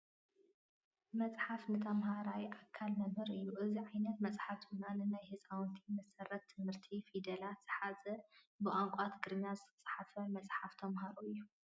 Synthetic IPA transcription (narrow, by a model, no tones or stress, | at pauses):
mɐt͡sʼħafnɨt̪ʰɐmɦaɾawiʔakʰːalmɐmhɨɾɨjːuʔɨziʕajnɐt̪mɐt͡sʼħaft̪ʰɨɨnanɨnajhɨsʼawnt̪ʰimɐsɐrɐt̪ʰːɨmhɨɾt̪ʰifid̪ɐlat̪z̥ɨħazɐ | bɨʔaŋkʷʼat̪ɡɨɾɨɲːazɨt̪ʰɐ̥t͡sʼħafɐmɐt͡sʼħaft̪ʰɐmhaɾuɨjːu